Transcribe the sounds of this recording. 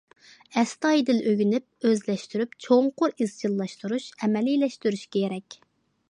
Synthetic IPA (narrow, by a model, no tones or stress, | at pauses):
ɛst̪ɑjd̪ɪlʔøɡʲynyp̚øzlɛʃt̪yɾypt͡ʃʰoŋqʊɾiz̥t͡ʃilˠːɑʃt̪uɾuʃɛmɛlilɛʃt̪yɾyʃkʲejeɾɛkʲ